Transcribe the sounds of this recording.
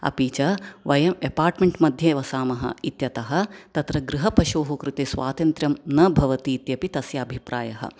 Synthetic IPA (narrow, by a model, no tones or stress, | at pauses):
ɐ̰piːt͡ʃɐʋɐjɐmepaːɾʈmeɳʈmɐd̪ʱjɐʋɐsaːmɐɦɐ̰it̪jɐt̪ɐɦɐ̆t̪ɐt̪ɾɐɡɾɨɦɐpɐʃoːɦɐkɾɨt̪eːsʋa̰ːt̪ɐnt̪ɾjɐmnɐbʱɐʋɐt̪iːt̪jɐpit̪ɐsjɐːbʱipɾa̰ːjɐɦɐ̰